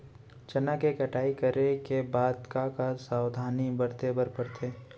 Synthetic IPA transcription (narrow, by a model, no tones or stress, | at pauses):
t͡ʃɐnakekɐʈʰaːikəɾekebaːd̪kakasaːwd̪ʱaːnibəɾt̪ebəɾpəɾt̪ʰeː